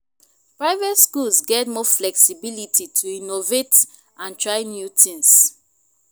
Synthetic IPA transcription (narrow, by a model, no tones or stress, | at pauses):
pɹaɪvɛtskulsɡɛtmɔflɛksibilititʰuinovet | ʔãntʰɹaɪnjutʰĩns